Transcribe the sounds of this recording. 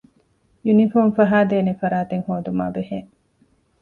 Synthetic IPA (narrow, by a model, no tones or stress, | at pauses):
junifoːmfɐɦaːd̪eːnefɐɾaːt̪eŋhoːd̪uma̰ːbeheŋ